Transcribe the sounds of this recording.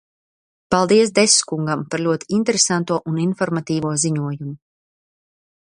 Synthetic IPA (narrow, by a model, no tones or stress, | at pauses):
palˠd̪iɛsd̪eskuŋɡampaɾlʲuɔt̪iint̪eɾesant̪uɔʔuninfɔɾmat̪iːvuɔziɲuɔjumu